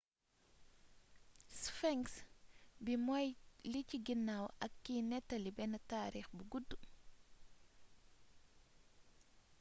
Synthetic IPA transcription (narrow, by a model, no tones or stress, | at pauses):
sfɛŋksbimɔjliciɡinːawɐkːiːnɛtːɐlibɛnataːɾiːxbuɡudːu